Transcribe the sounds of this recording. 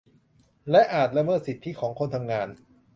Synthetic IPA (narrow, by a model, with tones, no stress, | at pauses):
lɛ˦˥ʔaː˨˩t̪̚ɾa˧mɤː˥˩t̪̚si˨˩t̪ʰːi˦˥˩kʰɔː˩˦ŋkʰo˧nt̪ʰa˧mŋaː˧n